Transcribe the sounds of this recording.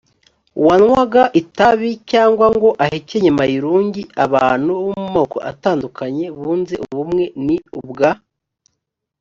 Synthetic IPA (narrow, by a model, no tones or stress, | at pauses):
uwanwaɡaʔitaβicaːŋɡwaŋɡo̞ʔaheceɲamajiɾuːɲɟiaβaːn̥huβumumoːko̞̰ʔa̰taːndukaɲe̞βuːnzeʔuβumŋe̞niubɡa